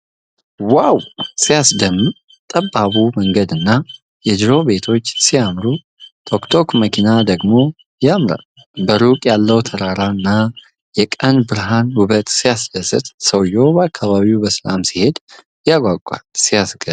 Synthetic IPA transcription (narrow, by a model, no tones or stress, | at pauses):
wawsijasd̪əm | t̪ʼəbːaβuməŋɡəd̪ɨnːa | jɛd̪ɾo̞be̞t̪ʰo̞t͡ʃːsijamɾu | t̪ʰo̞kt̪ʰo̞kməkʰinad̪əɡmo̞ | jamɾa̰ | bəɾukʼjalːəwt̪ʰəɾaɾaɨnːa | jɛkʼənbɨɾɦanhuβət̪sijasd̪əsɨt̪ʼsəwjo̞bəakʰːaβaβiwbəsəla̰msihe̞d̪ | jaɡʷaɡʷʼːa̰lsijasɡə